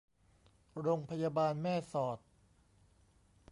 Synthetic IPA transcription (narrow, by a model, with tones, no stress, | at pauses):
ɾoː˧ŋpʰa˧jaː˧baː˧nmɛː˥˩sɔː˨˩t̪̚